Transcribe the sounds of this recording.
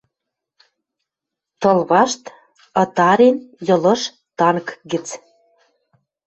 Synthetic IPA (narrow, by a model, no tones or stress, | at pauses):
t̪ɤ̆lβɑʃt̪ | ɤ̆t̪ɑɾenjɤ̆lɤ̆ʃ | t̪ɑnkɡɘ̆t͡s